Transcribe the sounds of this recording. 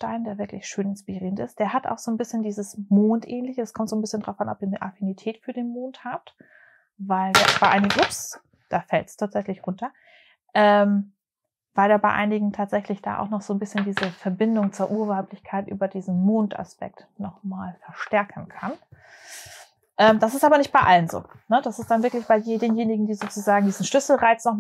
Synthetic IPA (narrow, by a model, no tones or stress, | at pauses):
ʃtaɪndeːɐvɪɐklɪçʃøːnɪnspiʁiːʁəntɪst̚d̥eːɐɦatʔa̰ʊxz̥oːnbɪsçəndiːzəsmoːntʔɛːnlɪçəɛskʰɔmtzoːnbɪsçəndʁaʊfʔanɔpiːɐniʔafinitʰɛːtfyːɐdeːnmoːnthaːp̚t | vaɪldeːɐ̰b̥aɪʔaɪnɪɡŋ̩ɪps | d̥aːfɛltstʰaːtz̥ɛçlɪçʁʊntɐ | ʔɛm | vaɪldaːɐbaɪʔa̰ɪnɪɡŋ̩tʰaːtz̥ɛçlɪçd̥a̰ːʔa̰ʊxnɔχz̥oːnbɪsçəndiːzəfɛɐbɪndʊŋt͡suːɐʔuːɐvaʊplɪçkʰaɪtʔy̰ːbɐdiːzn̩moːntʔa̰spɛ̰k̚t | nɔχmaːlfɛɐʃtɛɐkʰən̩kʰan | ʔɛːmd̥asɪstʔaːbɐnɪçt̚b̥aɪʔalənzo̰ː | nəd̥asɪstd̥anvɪɐklɪçb̥aɪjeːdeːnjeːnɪɡŋ̩diːzoːt͡suzaːɡŋ̩diːzn̩ʃlʏsl̩ʁaɪt͡snɔχ